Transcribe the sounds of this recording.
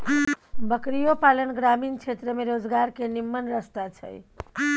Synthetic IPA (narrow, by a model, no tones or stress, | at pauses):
bəkɾijopalənɡɾamint͡ʃʰet̪ɾəmeɾod͡ʒɡaɾkenimːənɾəst̪at͡ʃʰə̰j